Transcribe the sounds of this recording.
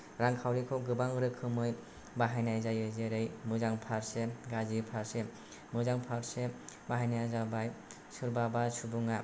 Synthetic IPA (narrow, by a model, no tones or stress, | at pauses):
ɾaŋkʰawɾikʰɔɡɯbaŋɯɾɯkʰɯmɯj | baɦajnajzajɯzeɾɯjmɯzaŋpʰaɾseɡazipʰaɾse | mɯzaŋpʰaɾsebaɦajnajazabaj | sɯɾbabasubuŋa